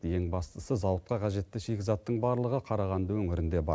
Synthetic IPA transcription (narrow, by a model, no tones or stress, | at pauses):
je̞ŋbɑst̪əsəzɑwət̪̚qɑqʰɑʒe̞t̪ːɪʃekʲɪzɑt̪ːəɴbɑɾlˠəʁəqʰɑɾɑʁɑnd̪əwɵŋɪɾɪnd̪e̞bɑɾ